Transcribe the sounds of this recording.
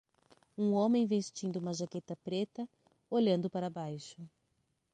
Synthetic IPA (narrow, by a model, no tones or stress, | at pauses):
ũõmẽj̃vest͡ʃĩnd̪ʊumɐʒaket̪ɐpɾet̪ɐ | oʎɐ̃nd̪ʊpaɾɐbajʃʊ